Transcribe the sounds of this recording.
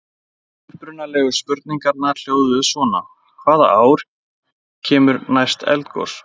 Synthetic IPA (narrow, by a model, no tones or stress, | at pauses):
ʏhpɾʏnːalɛɣʏ̥spʏɾt̪̚niŋkaɾnḁl̥joːwðʏsvɔːna | kʰvaːða̰ʔaːwɾ | cʰɛːmʏɾnajst̪ɛ̰lt̪kʰɔ̰s